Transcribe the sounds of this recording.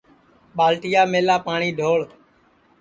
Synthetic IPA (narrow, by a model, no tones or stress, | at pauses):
ɓaːlʈɪjaːmeːlaːpaːɳ̃iːɖʱoːɭ